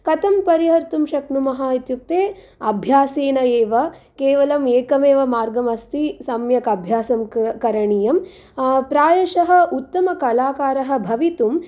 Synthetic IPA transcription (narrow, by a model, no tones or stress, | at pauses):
kɐt̪ɐmpɐɾiɦɐɾt̪umʃɐknumɐɦaːit̪juk̚t̪eː | ɐbʱjaːseːnɐeːʋɐkeːʋɐlɐmeːkɐmeːʋɐmaːɾɡɐmɐst̪isɐmjɐkɐbʱjaːsɐmkɐɾɐɳiːjɐm | pɾaːjɐʂɐɦɐ̆ʔut̪ːɐmɐkɐlaːkaːɾɐɦɐ̆bʱɐʋit̪um